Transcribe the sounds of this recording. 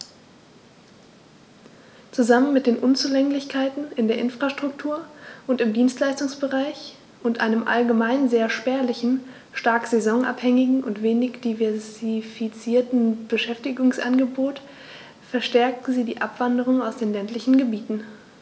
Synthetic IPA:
t͡suzamənmɪt̚d̥eːnʔʊnt͡suːlɛŋlɪçkʰaɪtn̩ɪndeːɐʔɪnfʁ̥aʃtʁ̥ʊktʰuːɐʔʊntɪmdiːnstlaɪstʊŋsb̥əʁaɪç | ʔʊntʔa̰ɪnəmʔa̰lɡəmaɪnzeːɐʃpɛːɐlɪçn̩ | ʃtaɐkz̥ɛzɔŋʔa̰phɛŋɪɡŋ̩ʔʊ̰ntv̥eːnɪçd̥ivɛɐzifit͡siːɐtn̩b̥əʃɛftɪɡʊŋsʔa̰nɡəboːt | fɛɐʃtɛɐk̚tn̩ziːdiːʔapv̥andəʁ̞ʊŋaʊsd̥eːnlɛntlɪçn̩ɡəbiːtn̩

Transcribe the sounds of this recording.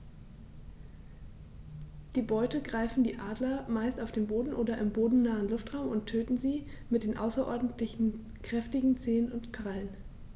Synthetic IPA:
d̥iːbɔʏtəɡʁaɪfn̩diːʔaːdlɐmaɪstaʊfd̥eːnboːdn̩ʔoːdɐʔɪmboːdn̩naːənlʊftʁ̥aʊmʊntʰøːtn̩ziː | mɪt̚d̥eːnʔa̰ʊsɐʔɔ̰ɐdn̩tlɪçn̩ | kʁ̥ɛftɪɡŋ̩t͡seːənʊntkv̥alən

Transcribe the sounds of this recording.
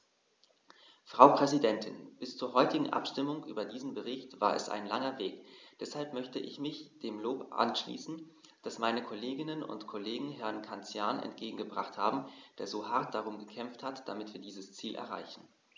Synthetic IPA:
fʁ̥aʊpʁ̥ɛzidɛntʰɪnb̥ɪst͡suːɐɦɔʏtɪɡŋ̩ʔa̰pʃtɪmʊŋʔy̰ːbɐdiːzn̩bəʁ̞ɪçtv̥a̰ːɐɛ̰sa̰ɪnlaŋɐveːkd̥ɛshalpmœçtəʔɪ̰çmɪçd̥eːmloːpʔa̰nʃlḭːsn̩ | d̥asmaɪnəkʰoleːɡɪnənʊ̰ntkʰoleːɡŋ̩ɦɛɐnkʰant͡sjaɐnɛ̰ntɡ̥eːɡŋ̩ɡəbʁaχtha̰ːbm̩d̥eːɐzoːhaɐt̚d̥aʁ̞ʊmɡəkʰɛmfthatd̥amɪtv̥iːɐdiːzəst͡siːlʔɛ̰ɐʁa̰ɪçn̩

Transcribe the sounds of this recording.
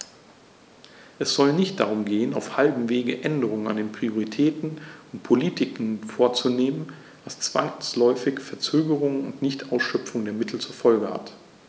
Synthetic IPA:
ʔɛsz̥ɔlnɪçtd̥aʁ̞ʊmɡeːəna̰ʊfhalbm̩veːɡəʔɛndəʁ̞ʊŋəna̰ndeːnpʁ̥ioʁitʰɛːtn̩ʊnt̚pʰoliːtɪkn̩foːɐt͡suneːmən | vast͡sv̥a̰ŋslɔʏfɪçfɛɐt͡søːɡəʁ̞ʊŋənʊ̰ntnɪçtʔaʊsʃœp͡fʊŋdeːɐmɪtʰl̩t͡suɐfɔlɡəha̰t

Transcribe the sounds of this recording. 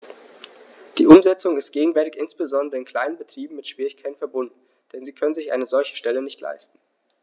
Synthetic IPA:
d̥iːʔʊmzɛt͡sʊŋɪst̚ɡ̥eːɡŋ̩vɛɐtɪçɪnsb̥əzɔndəʁəɪnkʰl̥aɪnənbətʁ̥iːbm̩mɪtʃv̥iːʁɪçkʰaɪtn̩fɛɐbʊndn̩ | d̥ɛnziːkʰœnənzɪçʔa̰ɪnəzɔlçə̥ʃtɛlənɪçtʰla̰ɪstn̩

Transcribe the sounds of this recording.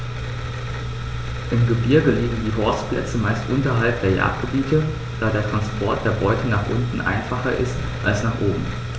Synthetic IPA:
ʔɪmɡəbɪɐɡəliːɡŋ̩diːɦɔɐsplʔɛ̰t͡səmaɪstʔʊntɐɦalp̚d̥eːɐja̰ːɐt̚ɡ̥əbiːtə | d̥aːdeːɐtʁ̥anspʰɔɐt̚d̥eːɐbɔʏtʰənaːχʔʊntn̩ʔa̰ɪnfaχɐʔɪ̰st | ʔalsnaːχʔoːbm̩

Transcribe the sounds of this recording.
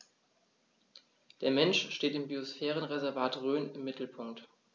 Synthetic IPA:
d̥eːɐmɛnʃʃteːtɪmbiosfɛːʁənʁezɛɐvaːtʁøːnɪmːɪtl̩pʰʊŋkt

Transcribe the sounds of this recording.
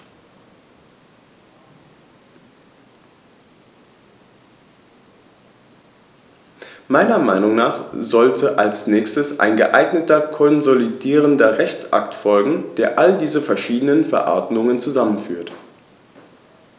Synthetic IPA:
maɪnɐmaɪnʊŋnaːχzɔltʰəʔalsnɛːçstəsʔa̰ɪnɡə̰ʔaɪɡnətɐkʰɔnzolidiːʁ̞əndɐʁɛçt͡sʔa̰ktfɔlɡŋ̩d̥eːɐʔaldiːzəfɛɐʃiːdənənfɛɐʔɔ̰ɐdmʊŋənt͡suzamənfy̰ːɐt

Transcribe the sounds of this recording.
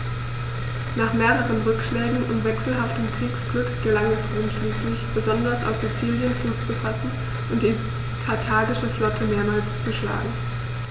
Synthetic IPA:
naːχmeːʁəʁ̞ənʁʏkʃlɛːɡŋ̩ʔʊ̰mvɛksl̩ɦaftəmkʁ̥iːksɡ̥lʏkɡ̥əlaŋɛsʔʊnʃliːslɪçb̥əzɔndɐsa̰ʊfz̥it͡siːljənfuːst͡sufasn̩ | ʔʊntd̥iː | kʰaɐtʰaːɡɪʃəflɔtʰəmeːɐmaːlst͡suʃla̰ːɡŋ̩

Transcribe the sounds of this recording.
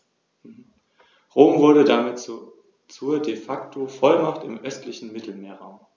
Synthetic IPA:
m̩ | ʁoːmvʊɐɾədamɪt | t͡suːɐdefaktʰofɔlmaχtɪmʔœstʰlɪçn̩mɪtʰl̩meːɐʁaʊm

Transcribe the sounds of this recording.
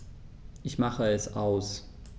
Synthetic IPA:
ʔɪçmaχəɛsʔaʊs

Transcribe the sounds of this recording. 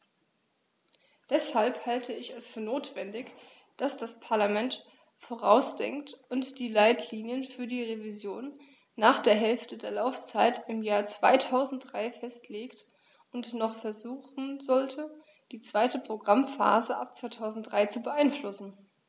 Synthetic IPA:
d̥ɛshalphaltʰəɪçɛsfyːɐnoːtv̥ɛndɪç | d̥asd̥aspʰaɐlamɛnt | foːʁ̞aʊsd̥ɛ̰ŋktʊntd̥iːlaɪtʰliːnjənfyːɐdiːʁevizjoːnː | aːχd̥eːɐɦɛlftədeːɐlaʊft͡saɪtɪmjaːɐt͡sv̥a̰ɪtʰaʊzn̩t̚d̥ʁaɪfɛstʰleːkt | ʊntnɔχfɛɐzuːχn̩zɔltʰə | d̥iːt͡sv̥aɪtəpʁ̥oɡʁamfa̰ːzəʔa̰p̚t͡sv̥aɪtʰaʊzn̩t̚d̥ʁaɪt͡subəʔaɪnflʊsn̩

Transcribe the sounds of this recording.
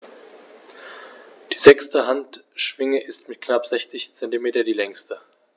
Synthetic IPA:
d̥iːzɛkstəɦantʃv̥ɪŋəʔɪstmɪt̚knapz̥ɛçt͡sɪçt͡sɛntimeːtɐdiːlɛŋstə

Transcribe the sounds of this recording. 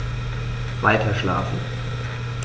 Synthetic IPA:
vaɪtʰɐʃla̰ːfn̩

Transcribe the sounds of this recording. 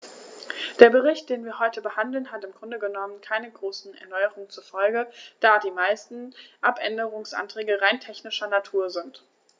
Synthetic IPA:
d̥eːɐbəʁɪçt̚d̥eːnviːɐhɔʏtəbəhandl̩nɦatɪmɡʁʊndəɡənɔmənkʰaɪnəɡʁoːsn̩ɛ̰ɐnɔʏəʁʊŋənt͡suɐfɔlɡəd̥aːdiːmaɪstn̩ʔapʔɛ̰ndəʁ̞ʊŋsʔa̰ntʁ̥ɛːɡəʁaɪntʰɛçnɪʃɐnatʰuːɐzɪnt

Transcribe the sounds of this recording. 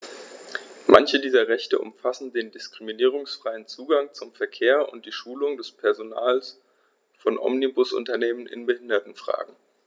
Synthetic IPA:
mʔa̰nçədiːzɐʁɛçtə̰ʔʊ̰mfasn̩deːndɪskʁ̥iminiːʁ̞ʊŋsfʁ̥aɪənt͡suːɡaŋt͡sʊmfɛɐkʰeːɐʔʊ̰nt̚d̥iːʃuːlʊŋdɛspʰɛɐzona̰ːls | fɔnʔɔ̰mnibʊsʔʊ̰ntɐneːmənɪ̰nbəhɪndɐtn̩fʁ̥a̰ːɡŋ̩

